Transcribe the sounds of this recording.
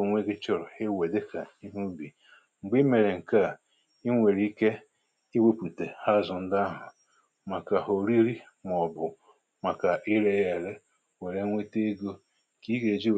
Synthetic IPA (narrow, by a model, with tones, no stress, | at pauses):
o˨ŋʷe˦ɡɪ˦t͡ʃɔ˦ɾʊ˨e˦we˨de˦ka˨i˦ɦu˦bi˨ | ŋ͡m̩˨ɡ͡bi˦me˨ɾe˨ŋ̩˨ka˦˨ | i˦ŋʷe˨ɾi˦i˦ke˦ | e˦we˦pu˨te˨ha˦zʊ˨n̩˦da˦ɦʊ˨ | ma˨ka˨ɦo˨ɾi˦ɾi˦ | m˨ɔ˨bʊ˨ | ma˨ka˨ʔi˦ɾe˦je˨ɾe˦ | we˨ɾe˦ŋʷe˦te˦ɡo˦ | ki˦ɡe˨d͡ʒi˦